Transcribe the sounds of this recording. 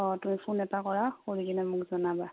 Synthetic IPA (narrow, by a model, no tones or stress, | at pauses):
ɔtumipʰunɛtakɔɹakoɹikinɛmʊkzɔnaba